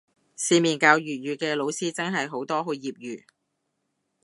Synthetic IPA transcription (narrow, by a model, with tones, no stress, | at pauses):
siː˧miː˨˩nkaː˧wjyː˨t̚jyː˨˧kɛː˧lo˨˧wsiː˥t͡sɐ˥ŋɦɐ˨jɦo˨˥wt̪ɔː˥ɦo˨˧jiː˨p̚jyː˨˩